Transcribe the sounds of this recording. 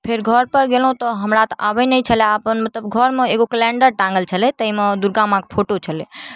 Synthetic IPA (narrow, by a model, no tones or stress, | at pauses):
pʰeɾɡʱəɾpəɾɡelɦũt̪ɔɦəmɾat̪abənəjt͡ʃʰəleapənmət̪ləbɡʱəɾmeeɡokəlɛɳɖəɾʈãŋɡəlt͡ʃʰəlɛt̪əimed̪uɾɡamãkpʰoʈot͡ʃʰəlɛ